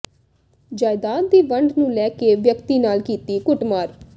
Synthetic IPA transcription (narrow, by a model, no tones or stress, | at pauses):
d͡ʒaːɪd̪aːd̪̚d̪iːʋəɳɖnũːlɛːkeʋjəkt̪iːnaːlkiːt̪iːkʊʈmaːɾ